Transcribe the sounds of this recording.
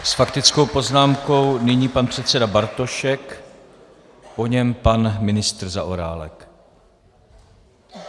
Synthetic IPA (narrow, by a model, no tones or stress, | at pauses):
sfakt̪ɪt͡sko̞wpo̞znaːmko̞wnɪɲiːpanpr̥ɛt̪t͡sɛdabaɾt̪o̞ʃɛk | po̞ɲɛmpanmɪnɪst̪r̩zaʔoɾa̰ːlɛ̰k